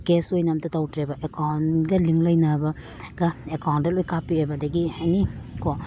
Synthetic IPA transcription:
kesojnɐmtɐtawtʰɾebɐʔekawnɡɐliŋlɐjnabɐ | ɡɐekawndɐlojkapiojbɐdɐɡianiko

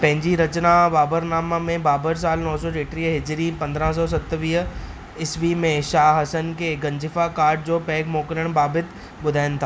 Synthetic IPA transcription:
pɐ̃ɦɪ̃ɲd͡ʑiɾɐt͡ɕnaʋaːbəɾnaːmamẽbaːbəɾs̬aːlnɔːsɔʈeːʈɾiːɦɦɪd͡ʑɾipɐ̃nd̪ɾə̃s̬ɔːs̬ɐt̪ʋiːɦ | ɪsʋimẽʃaːɦɐsənkʰeːɡɐ̃ɲd͡ʑɪfakaːɾʈ̚d͡ʑoːpɛːɡmoːkɾəɽ̃baːbɪt̪ʰ | ɓʊd̪ʱaːɪnɪ̆t̪ʰaː

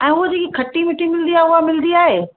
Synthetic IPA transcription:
ɛ̃ːʊɦəd͡ʑeːkikʰɐʈimɪʈimɪl̃nd̪iaːɦeʊɦamɪl̃nd̪iaːɦeː

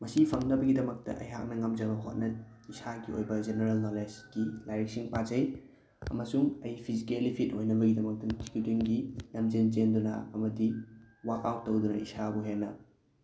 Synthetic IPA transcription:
mɐsipʰɐŋnɐbɐɡidɐmɐk̚tɐ̰ʔɐ̰jɦa̰k̚nɐŋɐmd͡ʒɐbɐɦo̰t̚nɐ | isaɡio̰jbɐd͡ʒeneɾɐlnoled͡ʒɡ̥ilajɾek̚siŋpad͡ʒɐj | ɐ̰mɐsuŋɐjpʰizikelipʰitojnɐbɐɡidɐmɐk̚tɐtʰi̥kudiŋɡilɐmd͡ʒend͡ʒendunɐ̰ɐmɐdi | wakawtːowdunɐ̰isabuɦenːɐ

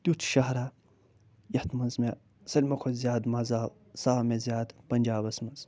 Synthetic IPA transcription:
t̪ʲut͡ʃʰʃɐɦɾa | jɐħt̪mɐnzme | sɐlʲmɐkʷʰozʲjaːd̪mɐzaː | saːmezijaːd̪pɐnd͡ʒaːbɐsmɐnz

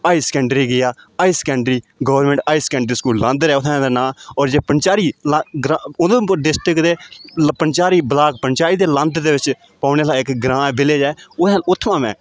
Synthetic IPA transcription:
aːiːsə̥kɛ̃ːɳɖɾiːɡɪjaːaːiːsə̥kɛ̃ːɳɖɾiːɡəːʋəɾmɛ̃ɳʈaːiːsə̥kɛ̃ːɳɖɾiːskuːllə̃nd̪ɾɛːʊt̪ʰːd̪anãːɔːɾd͡ʒeːpənt͡ʃaːɾiːlaɡɾad̪ɪst̪ɪkd̪eːpənt͡ʃaːɾiːbəlaːk̚pənt͡ʃaːɾiːd̪eːlə̃nd̪d̪eːʋɪt͡ʃ | paːneːlaːɪkɡɾãːbɪleːd͡ʒɛːʊaːlʊt̪ʰːʋãːmɛ̰̃ː

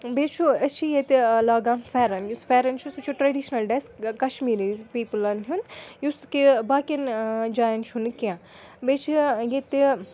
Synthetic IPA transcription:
bet͡ʃʰuɐt͡ʃʰijet̪laːɡãnfɛːɾɐnjusfɛːɾɐnt͡ʃʰusut͡ʃʰuʈɾɐɖiʃnɐlɖeskkɐʃmiːɾizpiːpɨlɐnɦunjuskibaːkʲind͡ʒaːjɐnt͡ʃʰunkiã | beːt͡ʃʰijet̪i

